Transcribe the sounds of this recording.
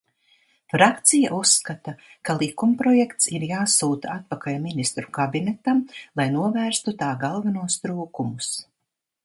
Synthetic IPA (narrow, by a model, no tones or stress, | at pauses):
fɾakt̪sija̰ʔusːkat̪akalˠikumpɾɔjɛkt̪siɾjaːsuːt̪aat̪̚pakalminist̪ɾukabinɛt̪amlˠajnuɔvæːɾst̪ut̪aːɡalˠvanuɔst̪ɾuːkumus